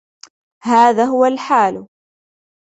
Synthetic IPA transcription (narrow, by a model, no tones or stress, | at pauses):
haːðaːɦʊwalħaːl